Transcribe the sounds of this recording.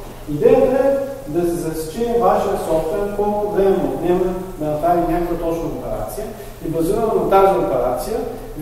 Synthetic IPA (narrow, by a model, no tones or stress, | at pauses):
id̪ɛjət̪əɛ | d̪ɐsɛzɐsi̥t͡ʃɛɛvaʃiəsɔft̪vɛkɔlˠkʊd̪ɛɛmod̪nʲɛmənɐt̪azinʲakəkvɐt̪ɔt͡ʃnɐopɛɾa̰t̪sijə | ibɐziɾənət̪aziopɛɾat̪sijə